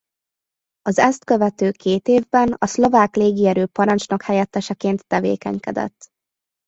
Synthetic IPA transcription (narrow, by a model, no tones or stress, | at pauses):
ɒzɛst̪kø̞vɛt̪øːkeːt̪eːvbɛnɒslo̞vaːkleːɡiɛɾøːpɒɾɒnt͡ʃnɒkhɛjɛt̪ːɛʃɛkeːnt̪ːɛvḛːkɛ̰ɲkɛ̰d̪ɛ̰t̪ː